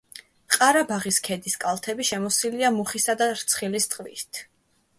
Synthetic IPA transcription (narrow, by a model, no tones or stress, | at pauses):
qʼaɾabaʁiskʰɛd̪iskʼalˠt̪ʰɛbiʃɛmɔsiliamuχisad̪aɾt̪sʰχilist̪ʼqʼvḭst̪ʰ